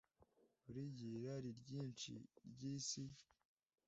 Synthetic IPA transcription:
uɾiɟiɾaɾiɾɟiːnt͡ʃḭɾɟiːsi

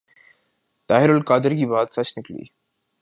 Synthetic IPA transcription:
t̪aːɦeɾolkaːd̪əɾɡiːbaːt̪sat͡ɕʰniklḭː

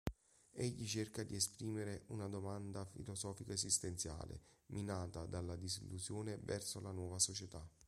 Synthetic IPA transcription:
ɛʎːit͡ʃerkad̪iespɾiːmeɾeunad̪omand̪afḭlozɔːfikaezist̪ent̪sja̰ːlḛmʔinaːt̪ad̪alːad̪izilːuzjoːnevɛrsolanwɔːvasot͡ʃet̪a

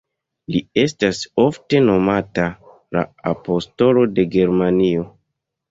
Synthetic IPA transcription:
lie̞staso̞fte̞no̞mata | la̰apo̞sto̞lo̞de̞ɡe̞ɾmanio̞

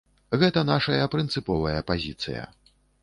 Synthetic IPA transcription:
ɣɛt̪ɐnaʂɐjɐpɾɨnt̪sɨpɔvɐjɐpazʲit̪sɨ̰jɐ̰

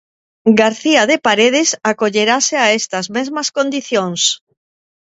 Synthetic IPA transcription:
ɡaɾθiaðepaɾeð̞ɪsakoʎeɾaseaest̪ɐzmezmɐskond̪iθjoŋs

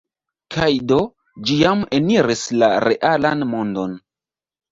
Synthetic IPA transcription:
kʰajdo̞ | d͡ʒijame̞niɾislaɾe̞ʔalanmondo̞n

